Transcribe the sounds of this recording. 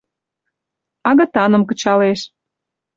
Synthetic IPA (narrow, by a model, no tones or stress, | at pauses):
ɑɣə̆t̪ɑnə̆mkə̆t͡ɕɑleʃ